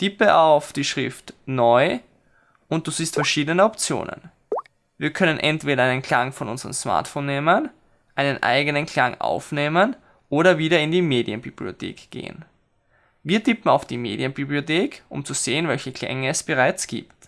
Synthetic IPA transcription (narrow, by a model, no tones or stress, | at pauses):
tʰɪpəʔaʊfd̥iːʃʁ̥ɪftnɔʏ | ʊnt̚d̥uːziːstfɛɐʃiːdənəɔpt͡sjo̰ːnə̰n | viːɐkʰœnənʔɛ̰ntv̥eːɾɐæɪnənkʰl̥aŋfɔnʔʊnzəʁə̰msma̰ɐtfoːnːeːmən | ʔaɪnənʔa̰ɪɡənənkʰl̥aŋʔa̰ʊfneːmən | ʔoːɾɐviːɾɐɪndiːmeːdiənbḭblio̰tʰḛːkɡ̥ḛːə̰n | viːɐtʰɪpm̩aʊfd̥iːmeːdiənbiblioteːkʔʊ̰mt͡suz̥eːənvɛlçəkʰl̥ɛ̰ŋəɛsb̥əʁaɪt͡sɡ̥ḭːpt